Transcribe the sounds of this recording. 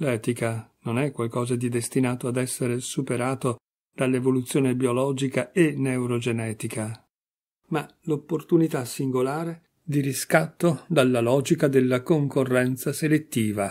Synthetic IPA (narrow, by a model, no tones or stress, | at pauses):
lɛːt̪ikanonɛkːwalkɔːzad̪id̪est̪inaːt̪oad̪ɛsːeɾesupeɾaːt̪o | d̪̥alːevolut̪sːjoːnebiolɔːd͡ʒikaenewɾod͡ʒenɛːt̪ikʰa | malopːort̪unit̪asːiŋɡolaːɾe | d̪iɾiskat̪ːod̪alːalɔːd͡ʒikad̪elːakoŋkorːɛnt̪saselet̪ːiːva